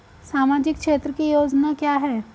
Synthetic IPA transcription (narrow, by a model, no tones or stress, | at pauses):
samad͡ʒik̚kʂet̪ɾəkijod͡ʒnakjaɦɛː